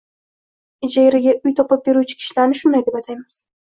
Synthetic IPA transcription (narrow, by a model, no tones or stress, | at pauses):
ɪd͡ʒajɾɪɡʲaʔʊjt̪ʰɒpɪp̚be̞ɾut͡ʃʰɪ̥kʲʰɪ̥ʃlaɾnɪʃʊnd̪ajd̪e̞bat̪ʰajmɪz̥